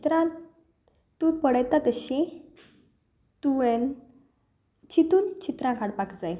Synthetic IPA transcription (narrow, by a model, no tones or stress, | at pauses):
t̪ɾã | t̪upəɽəjt̪at̪əɕẽ | t̪uen | t͡ɕit̪uːnt͡ɕit̪ɾãkaɽpakd͡zaj